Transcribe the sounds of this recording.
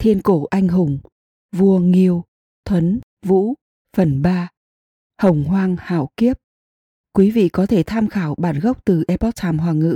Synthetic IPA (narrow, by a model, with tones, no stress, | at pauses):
t̪ʰi˧ənko˧˩ʔa˧jŋ̟ɦʊ˨˩ŋ͡m | vu˧əŋi˧əw | t̪ʰwə˨˦n | vṵ˧˥ | fə˨˩nɓaː˧ | hə˨˩wŋ͡mɦwaː˧ŋha̰ː˧˩wki˦˥əp̚ | kwi˨˦vḭ˧˨kɔ˨˦t̪ʰe˧˩t̪ʰaː˧mxaː˧˩wɓaː˧˩nɣə˦˥wk͡p̚t̪ɨ˨˩ʔɛ˨˧pɔ˦˥t̚t̪ʰaː˧˩mɦwaː˨˩ŋɨ̰˧˥